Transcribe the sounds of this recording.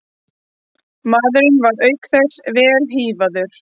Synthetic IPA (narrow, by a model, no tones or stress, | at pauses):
maːðɾʏnvaɾœːɥkθɛsvɛːlɦiːvaðʏɾ̥